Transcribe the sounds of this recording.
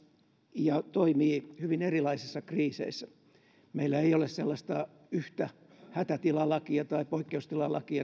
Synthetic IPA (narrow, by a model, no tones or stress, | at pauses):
jɑt̪oimiːhyʋinerilɑisisːɑkriːsḛisːæ | meilːæeiolesselːɑst̪ɑ | yht̪æ | hæt̪æt̪ilɑlɑkiɑt̪ɑipoikːeust̪ilɑlɑ̰kiɑ